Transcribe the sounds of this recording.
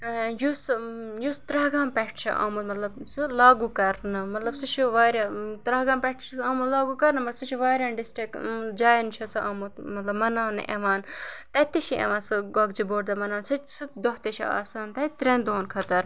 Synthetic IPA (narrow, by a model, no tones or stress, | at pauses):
jusjust̪ɾɐɦɡaːmpɛʈʰt͡ʃʰḭʔa̰ːmut̪mɐt̪lɐbsɨlaːɡukɐɾnɨmɐt̪lɐbsɨt͡ʃʰiʋaːɾʲjat̪ɾɐɦɡaːmpɛʈʰt͡ʃʰɐsaːmut̪laːɡukɐɾnɨmɐsɨt͡ʃʰiʋaːɾʲjanɖisʈɾikd͡ʒaːjint͡ʃʰɐsɨʔa̰ːmut̪mɐt̪lɐbmɐnaːnɨ̰ʔḛʋaːnt̪ɐt̪iʃiḛʋaːnsɨɡɐɡd͡ʒiboːʈ̚d̪ɐmɐnaːnsɨt͡ʃsɨd̪oɦt̪eʃʰia̰ːsaːnt̪ɐit̪ɾẽnd̪oːnkʰɐt̪ɐɾ